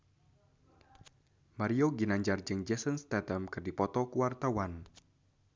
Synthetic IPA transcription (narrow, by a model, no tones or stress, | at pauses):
maɾioɡinaɲd͡ʒard͡ʒɨŋd͡ʒɛsənst̪at̪amkɨrdipɔt̪ɔkuwart̪awan